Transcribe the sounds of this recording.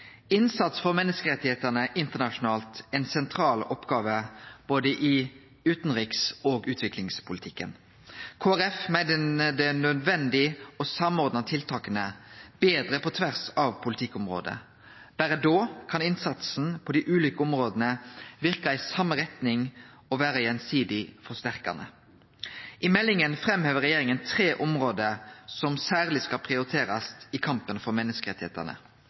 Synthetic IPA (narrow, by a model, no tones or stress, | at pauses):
ɪnsɑt̪sfɔʁmɛnːəskəʁɛt̪ːɪheːt̪əʁnəʔɪnt̪əʁnɑʂʊnɑːlt̪ɛɪnsɛnt̪ʰʁɑːlɔpːɡɑːʋəb̥oːd̪əʔɪ | ʉːt̪nʁiːksoːɡʉːt̪ʰʋɪklɪŋspʰʊlɪt̪ʰɪkːə̰n | kʰoːæʁɛfmæɪd̪əd̪ɛnœd̪ʋɛnd̪ɪɔsɑmɔʁd̪nɑt̪ʰɪlt̪ʰɑːkənəb̥eːd̪ʁəpʰɔt̪ʰʋæʁsɑʋpʰʊlɪt̪ʰɪkːʊmʁo̰ːd̪ə̰ | b̥æːɾəd̪oːkʰɑnɪnsɑt̪sn̩pʰɔd̪ɪʔʉːliːkəɔmʁoːd̪ənəʋɪʁkɑɪsɑmːəʁɛt̪nɪŋ | ɔʋæːɾəjɛnsiːd̪ɪfɔst̪æʁkɑ̰nə̰ | ʔɪmɛlːɪŋənfʁɛmhøːʋəɾʁɛjeːɾɪŋənt̪ʰɾeːʔɔmʁoːd̪əɾsɔmsæːʁlɪskɑpʰʁɪʊɾɪt̪ʰeːɾɑst̪ɪkʰɑmpənfɔɾmɛnːəskəʁɛt̪ɪhḛːt̪ə̰ʁnə̰